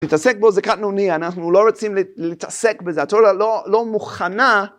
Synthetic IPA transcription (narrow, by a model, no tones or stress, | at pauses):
it̪ase̞k̚bo̞zekat̪nonianaχnulo̞ʁot͡simllit̪asekbezeat̪oalolo̞muχana